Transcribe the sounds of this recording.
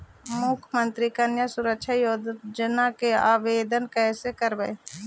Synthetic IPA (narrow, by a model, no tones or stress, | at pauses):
mʊkʰmə̃nt̪ɾikɐnjasʊɾəkʃʰajoːd̪d͡ʒənakeaːʋeːd̪ənkɛːsekəɾbee